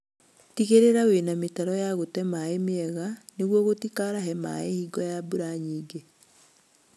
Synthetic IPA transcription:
tiɣeɾeɾawenametaɾɔjaɣotɛmaemeɛɣaneɣwɔɣotikaɾaɦɛma̰ehiːɡɔjabuɾaɲiːɡe

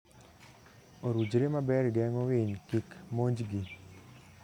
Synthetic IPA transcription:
oɾud͡ʒɾemabɛrɡɛŋɔwɪɲkikmoɲd͡ʒɡi

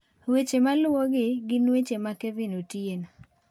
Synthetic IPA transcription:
wet͡ʃemalwɔɡɪɡɪnwet͡ʃemakevɪnotjen

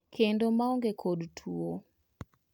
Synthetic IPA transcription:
kʰendomaoŋɡekʰodtʰuo

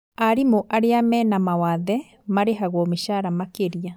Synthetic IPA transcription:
aɾimoʔaɾeamɛnamawaðɛ | maɾeɦaɣwɔmeʃaɾamakeɾia

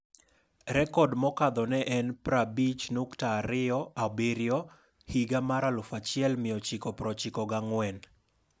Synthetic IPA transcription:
ɾɛkɔdmɔkad̪ɔnɛʔɛnpɾabit͡ʃnuktaːɾɪɔabeɾjɔ | hiɡamaɾalʊfat͡ʃɪɛlmɪɔt͡ʃɪkɔpɾɔt͡ʃɪkɔɡaŋwɛn

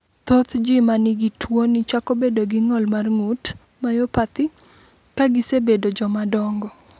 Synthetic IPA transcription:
t̪ot̪d͡ʒɪmanɪɡɪtʰwonɪt͡ʃakobedoɡɪŋɔlmarŋut | majopat̪ɪ | kaɡɪsebedod͡ʒɔmadɔŋɡɔ

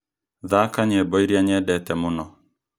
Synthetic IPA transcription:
ðakaɲɛbɔiɾiaɲɛdɛtɛmʊnɔ

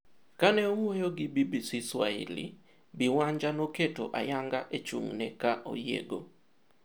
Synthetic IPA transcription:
kanɛowojoɡɪbibisiswaɪ̰lḭ | bɪwaɲd͡ʒanoketo̰ʔa̰jaŋɡaʔet͡ʃṵŋnɛkaʔo̰jḛɡo

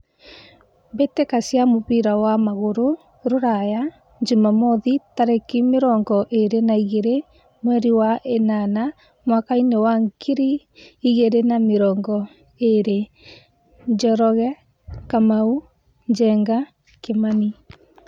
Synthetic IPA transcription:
betekasjamoβiɾawamaɣoɾo | ɾoɾaja | ɲd͡ʒumamɔðitaɾekimeɾɔːŋɡɔʔeɾenaiɣeɾe | mwɛɾiwaʔenana | mwakainewaŋkiɾi | iɣeɾenameɾɔːŋɡɔ | eɾe | ɲd͡ʒɔɾɔɣɛ | kamau | ɲd͡ʒɛːŋɡa | kemani

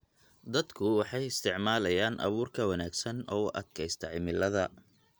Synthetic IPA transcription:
d̪ɐd̪kʰʊwɑħɑjɪst̪ʰɪʕmaːlɐjaːnʔɐ̰βuːrkʰɐwɐnaːɡsɐnɔːʊʔɐd̪kʰɛjst̪ʰɐʕɪmɪlɐðɐ

